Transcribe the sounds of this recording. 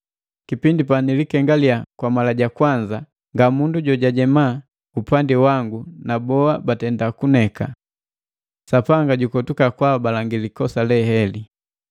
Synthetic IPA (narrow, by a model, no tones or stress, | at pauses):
kipindipanilikɛŋɡaliakwamalaɟakwaɲd͡ʒa | ŋɡamunduɟɔɟaɟɛma | upandiwaŋɡunabɔabatɛndakunɛka | sapaŋɡaɟukɔtukakwabalaŋɡilikɔsalɛhɛli